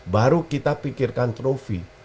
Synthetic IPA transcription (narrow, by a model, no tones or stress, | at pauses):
baɾukit̪apikɪrkant̪ɾofi